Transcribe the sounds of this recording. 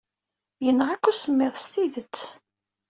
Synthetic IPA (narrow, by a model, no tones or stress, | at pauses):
jənːʁakːusəmːɪðst̪iðət͡sː